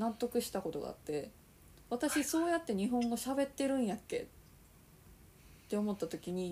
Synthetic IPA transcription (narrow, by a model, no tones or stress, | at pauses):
nãnt̪ːo̞kɯ̟ɕi̥t̪ako̞t̪o̞ɡa̰a̰t̪ːe̞ | βat̪aɕiso̞ːjat̪ːe̞ɲ̟iɦõ̞ŋɡoɕabe̞t̪ːe̞ɾɯ̟̃ɰ̃jakːe̞̰ | t̪ːe̞o̞mo̞t̪ːat̪o̞kʲiɲ̟i